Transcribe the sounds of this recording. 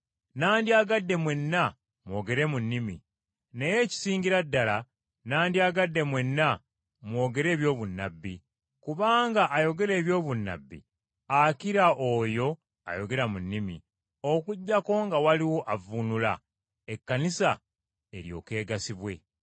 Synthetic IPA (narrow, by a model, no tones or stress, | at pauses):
naːndiaɡadːe̞mwe̞nːa | mwo̞ːɡe̞ɾe̞munːimḭ | ne̞je̞ːci̥siːɲɟiɾadːala | naːndiaɡadːe̞mwe̞nːa | mwo̞ːɡe̞ɾe̞ːβjo̞ːβunːabːi | kuβaːŋɡaʔːjo̞ɡe̞ɾe̞ːβjo̞ːβunːa̰bːḭ | akiɾaʔojo̞ | a̰jo̞ɡe̞ɾamunːimi | okuɟːako̞ŋɡawaliwo̞ʔavunula̰ | e̞kːanisa | e̞ɾjo̞̰ːke̞ːɡasiβwe̞̰